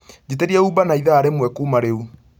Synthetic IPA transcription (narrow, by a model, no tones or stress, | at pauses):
d͡ʒeteɾiɛubanaiðaːɾemwɛkuːmaɾeu